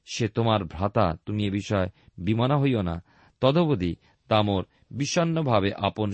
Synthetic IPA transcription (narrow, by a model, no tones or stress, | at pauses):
ʃet̪omaɾbʱɾat̪at̪umiebiʃɔebimanaɦojona̰ | t̪ɔd̪obod̪i | t̪amoɾ | biʃɔnːobʱabeʔapon